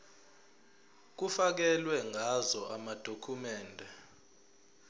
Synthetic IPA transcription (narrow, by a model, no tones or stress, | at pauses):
k̬ufak̬ɛlwɛŋʱazɔʔamad̥ʱokʰumɛːndʱɛ